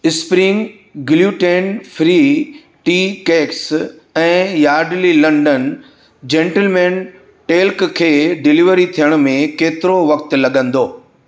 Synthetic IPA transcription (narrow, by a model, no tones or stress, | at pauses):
ɪspɾĩŋ | ɡɪljuːʈeːnfʰɾi | ʈiːkeːks | ɛ̃ːjaːɾɖlilɐ̃ɳɖən | d͡ʑẽːɳʈəlmɛːn | ʈeːlkkʰeːɖɪliʋɾit̪ʰijəɽ̃ʊ̆mẽkeːt̪ɪɾoʋɐk̚t̪lɐɠə̃nd̪oː